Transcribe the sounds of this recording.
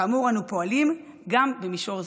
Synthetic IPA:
amuʁanupo̞alim | ɡambemiʃo̞ʁz

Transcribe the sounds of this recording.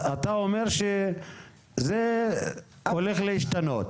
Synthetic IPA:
at̪aomeʁʃe | ze | ole̞χleiʃt̪ano̞t̪

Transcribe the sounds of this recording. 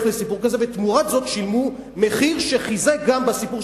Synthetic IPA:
χlesipuʁkazevet̪muʁazo̞t̪ʃilmu | meχiʁʃeχizeɡambasipu

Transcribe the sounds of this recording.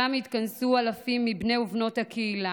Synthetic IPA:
amit̪kansualafimːibne̞uvno̞thakʰeila

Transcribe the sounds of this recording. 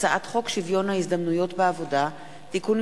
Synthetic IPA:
t͡saʔatχo̞kʃivjo̞nhaizd̪amnujo̞tbeavo̞da | tikun

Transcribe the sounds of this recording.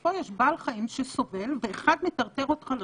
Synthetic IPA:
ojɛʃbaːlχaimʃeso̞ve̞lveːχad̪met̪aʁt̪eʁot̪χal

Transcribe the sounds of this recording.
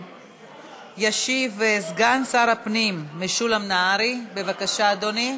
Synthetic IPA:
jaʃivezɡansaɾapnimːeʃulamnaaɾibevakaʃaːd̪oni

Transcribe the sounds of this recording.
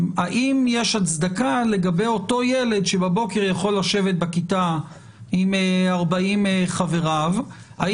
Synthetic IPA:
aʔimjeʃat͡sd̪akale̞ɡabe̞jo̞to̞jele̞d̪ʃebabo̞ke̞ʁjaχo̞lːaʃe̞vet̪̚bakit̪a | imaʁbaimχave̞ʁav | a

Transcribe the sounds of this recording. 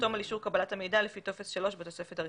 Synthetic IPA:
to̞maliʃuʁkabalatame̞jdalefit̪ofe̞sʃalo̞ʃbet̪o̞se̞fetaʁ

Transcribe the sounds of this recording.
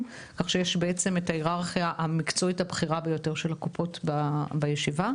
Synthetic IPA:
kaχʃejeʃbeet͡se̞metaiʁaʁχijaʔamikt͡so̞ithabχiʁabe̞jo̞te̞ʁʃe̞lakupo̞tbabajeʃiva

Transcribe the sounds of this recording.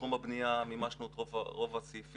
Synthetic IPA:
umabnijamimaʃnut̪ʁov̰ʁovat͡sif

